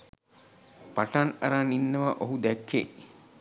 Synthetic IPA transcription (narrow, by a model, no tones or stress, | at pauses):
paʈana̰ɾaninːəʋaʔoɦud̪ɛkːḛʔ